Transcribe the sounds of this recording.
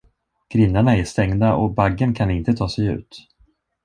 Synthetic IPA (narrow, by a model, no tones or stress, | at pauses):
ɡ̥ɾɪnːaɳaɛʂt̪ɛŋd̪aʔɔ̰baɡːənkʰanɪnt̪ət̪ʰɑːsɛjʉ̟̰ːt̪